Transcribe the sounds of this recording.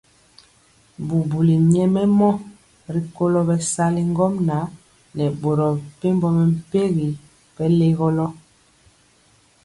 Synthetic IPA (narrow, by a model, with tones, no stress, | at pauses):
bu˨bu˨li˨ɲɛ˦mɛ˦mɔ˦ | ɾi˦ko˦lɔ˦bɛ˦sa˦li˦ŋ˦ɡɔ˦mna˨˦ | nɛ˨bo˨ɾɔ˨pe˦mbɔ˦mɛ˨m̩˨pe˦ɣi˨ | b̥ɛ˦le˦ɣɔ˦lɔ˦